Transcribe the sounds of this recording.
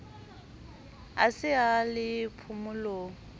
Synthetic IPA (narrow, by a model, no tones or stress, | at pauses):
a̰sɪalɪpʰʊmʊloːŋ